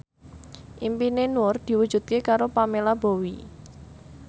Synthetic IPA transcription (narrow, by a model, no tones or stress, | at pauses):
ʔimpinenuʊrd̪̥i̤wud̥ʒ̥ṳt̪̚kekaɾopamelabowi